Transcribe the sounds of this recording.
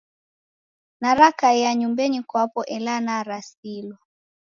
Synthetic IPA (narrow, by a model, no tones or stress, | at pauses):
naɾakajaɲumbɛɲikwapɔʔɛlanaɾasilwa